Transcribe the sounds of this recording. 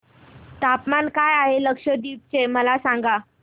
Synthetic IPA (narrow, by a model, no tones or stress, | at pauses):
t̪apmankajaɦeləkʂəd̪iːp̚t͡ɕeməlasãŋɡa